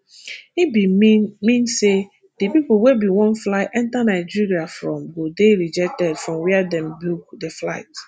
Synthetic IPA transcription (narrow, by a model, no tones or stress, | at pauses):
ibimĩnse | d̥epipowebiwɔ̃nflaɪʔɛ̃ntanaɪd͡ʒiɾiafɹɔ̃mɡodeɾid͡ʒɛk̚tɛdfɹɔ̃mwɛadɛ̃mbikdeflaɪt